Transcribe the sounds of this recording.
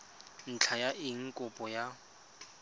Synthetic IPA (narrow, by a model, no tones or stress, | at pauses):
n̩t͡ɬʰajaʔɪŋ̩kʼʊpʼɔja